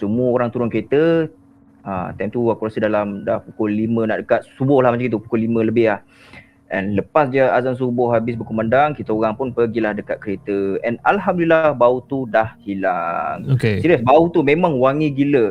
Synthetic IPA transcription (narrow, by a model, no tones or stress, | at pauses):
səmuəoɾaŋt̪uɾʊnkəɾet̪ə | ə̰t̪amt̪uakuɾasədalamdapukolimə̃na̰ʔdəkat̪̚subʊhlahmat͡ʃaŋit̪upu̥kolimə̃ləbɪɦlah | ʔɛ̰nləpasd͡ʒaazans̬ubʊhɦabɪs̬bəkumandaŋkit̪əoɣaŋpʊnpəɡilahdəkat̪̚kəɾet̪əɛnalɦamdlilahbaut̪udahhila̰ŋokesiɾəsbaut̪umẽmãŋwaŋiɡilə